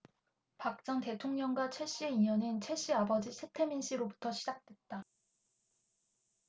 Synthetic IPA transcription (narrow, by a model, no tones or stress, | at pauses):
pak̚t͡ɕ͈ʌŋte̞tʰoŋɲʌŋɡwat͡ɕʰwe̞ɕ͈ieiɲʌnɯnt͡ɕʰe̞ɕ͈iabʌd͡ʑisʰetʰeminɕ͈iɾobu̥tʰʌɕʰid͡ʑak̚t͈we̞t̚t͈a